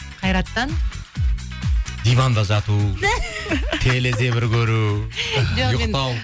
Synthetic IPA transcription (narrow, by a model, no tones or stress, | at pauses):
qʰɑjɾɑt̪ːɑn | d̪ijvɑnd̪ɑʒɑt̪u | t̪ʲʰele̞se̞bɪɾkʲʰɵɾu | ʒojʊqt̪ɑw